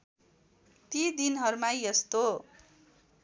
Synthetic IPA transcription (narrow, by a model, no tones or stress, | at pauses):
t̪id̪inʌɾumajjʌst̪o